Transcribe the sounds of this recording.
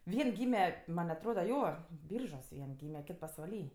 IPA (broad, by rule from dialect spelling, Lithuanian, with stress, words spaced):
ˈʋʲiɛn ˈɡʲiːmʲɛ mɐn ɐtˈroːdɐ ˈjoː ˈbʲiːrʒuɔs ˈʋʲiɛn ˈɡʲiːmʲɛ ˈkʲɪt pɐsʋɐˈlʲiː